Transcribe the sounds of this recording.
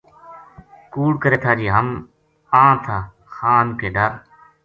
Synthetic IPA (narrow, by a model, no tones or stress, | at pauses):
kuːɽkəɾeːt̪ʰaːd͡ʒiːɦəm | ãːt̪ʰaː | xaːnkeːɖəɾ